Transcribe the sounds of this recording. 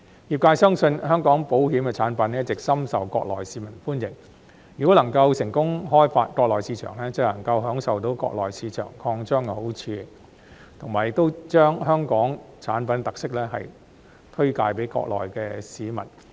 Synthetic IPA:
jiː˨˩p̚kaː˧jsœː˥ŋsɵ˧nhœː˥ŋkɔː˨˥ŋpo˨˥wɦiː˨˥mkɛ˧t͡sʰaː˨˥npɐ˨˥nɐ˥tt͡sɪ˨k̚sɐ˥msɐ˨wkɔː˧k̚lɔ̰ː˨˩jsiː˨˥mɐ˨˩nfuː˥njɪ˨˩ŋ | jy˨˩ko˥lɐ˨˩ŋkɐ˧wsɪ˨˩ŋkʊ˥ŋɦɔː˥jfaː˧t̚kɔː˧k̚lɔː˨jsiː˧t͡ʃʰœ̰ː˨˩ŋlɛː˥t͡sɐ˨˩lɐ˨˩ŋkɐ˧wɦœː˨˥ŋsɐ˨wt̪o˨˥wkɔ̰ː˧k̚lɔː˨˩jsiː˨˧t͡ʃʰœ̰ː˨˩ŋkʰɔː˧ŋt͡ʃœː˥ŋ˨ho˨˥wt͡sʰiː˧ | t̪ʰʊ˨ŋmaː˨˩jɪ˨k̚t̪o˥wt͡ʃœː˥ŋhœː˥ŋkɔː˨˥ŋt͡sʰaː˨˥npɐ˨˥nt̪ɐ˨k̚sɪ˥k̚lɛː˥ɦɐ˨j | t̪ʰɵ˥ɥka̰ː˧jpe˨˥jkɔ̰ː˧k̚lɔ̰ː˨jkɛː˧siː˨˥mɐ̰˨˩n

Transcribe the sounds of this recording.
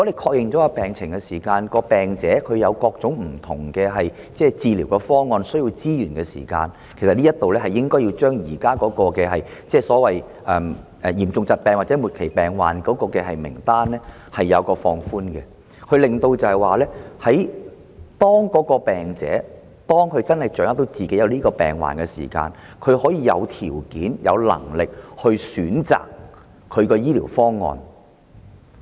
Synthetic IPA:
ɔ˨˥le˨jkʰɔː˧k̚jɪ˨ŋt͡sɔ˨˦˥a˧pɛː˨ŋt͡sʰɪ˨˩ŋkɛ˧siː˨˩kaː˧nkɔː˧pɛː˨˩ŋt͡sɛː˨˥kʰɵ˨˧ɥjɐ˨˧wkɔː˧k̚t͡sʊ˨˥ŋm̩˨˩t̪ʰʊ˨˩ŋkɛː˧ɦɐ˨j | t͡sɛː˥˩t͡siː˧liː˨˩wkɛ˧fɔː˥ŋɔː˧nsɵ˥ɥji˧wt͡siː˥jyː˨˩nkɛː˧sḭː˨˩ka̰ː˧n | kʰe˨˩sɐ˨t̚liː˥jɐ˥t̪o˨wlɛː˥ɦɐ˨jːɪ˥ŋkɔː˥ji˧wt͡ʃœː˥ŋjiː˨˩kaː˥kɔː˨˥kɔː˧kɛː˧ɦɐ˨jt͡sɛː˥˩sɔː˨˥wɐ˨j | ʔɛː˨m | ɛ˨˩jiː˨˩mt͡sʊ˧ŋt͡sɐ˨t̚pɛː˧ŋwa˨t͡sɛ˨˥mu˨t̚kʰe˨˩jpɛː˨˩ŋwa̰ː˨nkɔː˨˥kɔː˧kɛː˧ɦɐ˨jmɪ̰˨˩ŋt̪aː˥nlɛ˥ | hɐ˨jːɐ˨˧wkɔː˧fɔː˧ŋfuː˥nkɛ˧ | kʰɵ˧ɥlɪ˨˩ŋt̪o˧wt͡sɐ˨˧hɐ˨jwaː˨lɛː˥hɐ˨˥j | t̪ɔː˥ŋkɔː˨˥kɔː˧pɛː˨ŋt͡sɛ̰ː˨˥ | t̪ɔː˥ŋkʰɥt͡sɐ˥nhɐ˨jt͡ʃœː˨˥ŋa˥t̪o˧wt͡siː˨ke˨˥jɐ˨˧wliː˥kɔː˧pɛ̰ː˨ŋwa̰ː˨˩nkɛ˧sḭː˨˩ka̰ː˧n | kʰɵ˨˧ɥɦɔː˨˥jiː˨˧jɐ̰˨˧wt̪ʰiː˨˩wkiː˨˥njɐ̰˨˧wlɐ̰˨˩ŋlɪ˨k̚hɵ˧ɥsyː˨˥nt͡sa̰ː˨k | kʰːɵ˨˧ɥkɔː˧jiː˥liː˨˩wfɔː˥ŋːɔ̰ː˧n

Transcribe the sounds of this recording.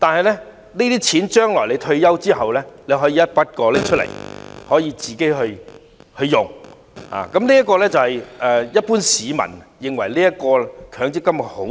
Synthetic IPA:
t̪aː˨nɦɐ˨jlɛː˥ | niː˥t̪iː˥t͡sʰiː˨˥nt͡ʃœː˥ŋlɔː˨˩le˧jt̪ʰɵ˧ɥjɐ˥wt͡siː˥hɐ˨wlɛ˥le˨˧ɦɔː˨˥jiː˧jɐ˥t̚pɐ˥t̚kɔː˧lɛ˥t͡ʃʰɵ˥tlḛ˨˩jhɔː˨˥jiː˧t͡siː˨ke˨˥ɦɵ˧ɥ | hɵ˧ɥjʊ˨ŋ | a̰ː˨kɐ˨˥mliː˥jɐ˥t̚kːɔː˧lɛː˥t͡sɐ˨whɐ˨jʔɛː˨jɐ˥t̚puː˥nsiː˨˧mɐ̰˨˩njɪ˨ŋwɐ˨˩jliː˥jɐ˥t̚kɔː˧kʰœː˨˥ŋt͡sɪ˥kːɐ˥m˨t̚ho˨˥

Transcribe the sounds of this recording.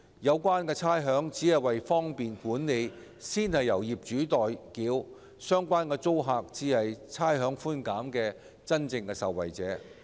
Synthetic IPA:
jɐ˨˧wkʷaː˥nkɛː˧t͡sʰaː˥jɦœː˨˥ŋt͡siː˨˥ɦɐ˨jwɐ˨jfɔː˥ŋpiː˨nkuː˨˥nle˨˧j | siː˥nhɐ˨jːɐ˨˩wjiː˨˩p̚t͡ʃyː˨˥t̪ɔː˨jkiː˨˥w | sœː˥ŋkʷaː˥nkɛː˧t͡so˥wɦaː˧k̚t͡siː˧hɐ˨jt͡sʰaː˥jɦœː˨˥ŋfuː˥nkaː˨˥mkɛː˧ | t͡sɐ˥nt͡sɪ˧ŋkɛː˧sɐ̰˨wːɐ̰˨jt͡sɛ̰ː˨˥

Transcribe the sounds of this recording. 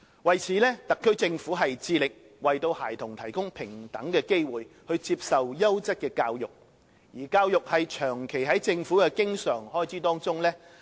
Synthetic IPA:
wɐ˨jt͡sʰiː˨˦lɛː˥t̪ɐ˨kʰːɵ˥ɥt͡sɪ˧ŋfuː˨˥ɦɐ˨jt͡siː˧lɪ˨k̚ | wɐ˨jt̪o˧whaː˨˩jt̪ʰʊ˨˩ŋt̪ʰɐ˨˩jkʊ˥ŋpʰɪ˨˩ŋt̪ɐ˨˥ŋkɛː˧ke˥jwuː˨jhɵ˧ɥt͡siː˧p̚sɐ˨wjɐ˥wt͡sɐ˥t̚kɛː˧kaː˧wjʊ˨k̚ | jiː˨˩kaː˧wjʊ˨k̚hɐ˨jt͡ʃʰœː˨˩ŋkʰe˨˩jɦɐ˨˥jt͡sɪ˧ŋfuː˨˥kɛ˧kɪ˥ŋsœː˨˩ŋhɔː˥jt͡sʰiː˨˥t̪ɔː˥ŋt͡sʊ˥ŋlɛː˥

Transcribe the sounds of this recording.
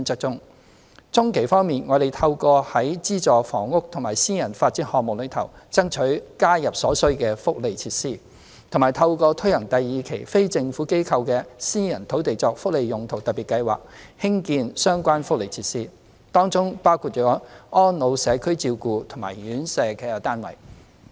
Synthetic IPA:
nt͡sœ˥k̚t͡sʊ˥ŋ | t͡sʊ˥ŋkʰe˨˩jfɔː˥ŋmiː˨˩nŋɔː˨˧d̪e˨˩jt̪ʰɐ˧wkɔː˧hɐ˨˥jt͡siː˥t͡sɔː˨fɔː˨˩ŋːʊ˥k̚t̪ʰʊ˨˩ŋmaː˨˩jsiː˥jɐ˨˩nfaː˧t̚t͡siː˥hɔː˨k̚mʊ˨k̚lɵ˨˧˥t̪ʰɐ˨˩wt͡sɐ˥ŋt͡ʃʰɵ˨˥ɥkaː˥jɐ˨p̚sɔː˨˥sɵ˥ɥkɛː˧fʊ˥k̚le˨jt͡sʰiː˧t̚siː˥ | t̪ʰʊ˨˩ŋmaː˨˩jt̪ʰɐ˧wkɔː˧t̪ʰɵ˥hɐ˨˩ŋt̪ɐ˨jːiː˨kʰe˨˩jfe˥jt͡sɪ˧ŋfuː˨˥ke˥jkʰɐ˧wkɛː˧siː˥jɐ˨˩nt̪ʰo˨˥wt̪e˨jt͡sɔː˧k̚fʊ˥k̚le˨jjʊ˨ŋt̪ʰo˨˩wt̪ɐ˨piː˨˩tkɐ˧jwa̰ː˨k̚hɪ˥ŋkiː˧nsœː˥ŋkʷaː˥nfʊ˥k̚le˨jt͡sʰiː˧t̚siː˥ | t̪ɔː˥ŋt͡sʊ˥ŋpaː˥wkʰuː˧t̚t͡ʃɔː˨˥ɔː˥nlo˨˧wsɛː˨˧kʰɵ˥ɥt͡siː˧wkuː˧t̪ʰʊ˨˩ŋma̰ː˨˩jjyː˨˥nsɛː˧kɛ˧t̪aː˥nwɐ̰˨˩j

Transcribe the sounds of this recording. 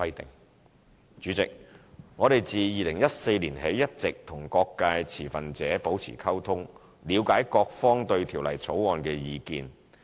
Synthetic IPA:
ɐ˧˥jt̪ɪ˨˩ŋ | t͡ʃyː˨˥t͡sɪ˨k̚ŋɔː˨˧d̪e˨jt͡siː˨jiː˨lɪ˨˩ŋjɐ˥t̚se˧jliː˨˩nhe˨˥jːɐ˥t̚t͡sɪ˨k̚t̪ʰʊ˨˩ŋkɔː˧kːaː˧jt͡sʰiː˨˩fɐ˨nt͡sɛː˨˥po˨˥wt͡sʰḭː˨˩kʰɐ˥wt̪ʰʊ˥ŋ | liː˨˧wkaː˨˥jkɔː˧k̚fɔː˥ŋt̪ɵ˧ɥt̪ʰiː˨˩wlɐ˨˩jt͡sʰo˨˥wɔː˧nkɛː˧jiː˧kḭː˧n

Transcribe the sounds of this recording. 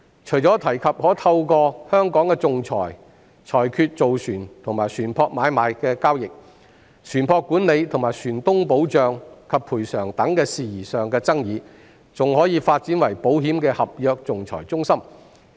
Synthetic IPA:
t͡ʃʰɵ˨˩jt͡sɔː˨˥t̪ʰɐ˨˩jkʰɐ˨p̚hɔː˨˥t̪ʰɐ˧wkɔː˧hœː˥ŋkɔː˨˥ŋkɛ˧t͡sʊ˨ŋt͡sʰɔ̰ː˨˩j | t͡sʰɔː˨˩jkʰyː˧t̚t͡so˨wsyː˨˩nt̪ʰʊ˨˩ŋmaː˨˩jsyː˨˩npʰɔː˧k̚maː˨˧jmaː˨˧jkɛː˧kaː˥wjɪ˨k̚ | sʰyː˨˩npʰɔː˧kːuː˨˥nle˨˧jt̪ʰʊ˨˩ŋmaː˨˩jsyː˨˩nt̪ʊ˥ŋpo˨˥wt͡sœː˨ŋkʰɐ˨pʰːuː˨˩jsœː˨˩ŋt̪ɐ˨˥ŋkɛː˧siː˨jiː˨˩sœː˨ŋkɛː˧t͡sɐ˥ŋjiː˨˧ | t͡sʊ˨ŋhɔː˨˥jiː˨˧faː˧t̚t͡siː˨˥nwɐ˨˩jpo˨˥wɦiː˨˥mkɛː˧hɐ˨p̚jœː˨˧k̚t͡sʊ˨ŋt͡sʰɔ̰ː˨˩jt͡sʊ˥ŋsɐ˥m

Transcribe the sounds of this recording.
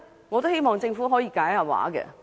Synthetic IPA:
ŋɔ˨˧t̪o˥whe˥jmɔː˨˩ŋt͡sɪ˧ŋfu˨˥ɦɔː˨˥jiː˨˧kaː˨˥ja˨p̚wa̰ː˨˥kɛ̰˧

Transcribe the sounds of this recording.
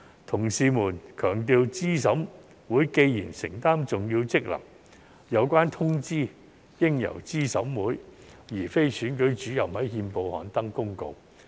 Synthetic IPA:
t̪ʰʊ˨˩ŋsiː˨muː˨˩nkʰœː˨˩ŋt̪̬iː˧wt͡siː˥s̬ɐ˨˥wm | wuː˨˥jke˧jjiː˨˩nsɪ̰˨˩ŋt̪aː˥mt͡sʊ˨ŋjiː˧wt͡sɪ˥k̚lɐ̰˨˩m | jɐ˨˧wkʷaː˥nt̪ʰʊ˥ŋt͡siː˥ | jɪ˥ŋjɐ̰˨˩wt͡siː˥sɐ̰˨˥wmuː˨˥j | jiː˨˩fe˥jsyː˨˥nkɵ˨˥ɥt͡ʃyː˨˥jɐ˨˩mhɐ˨˥jɦiː˧npo˨˧whɔ̰ː˨˥nt̪ɐ˥ŋkʊ˥ŋko̰˧w

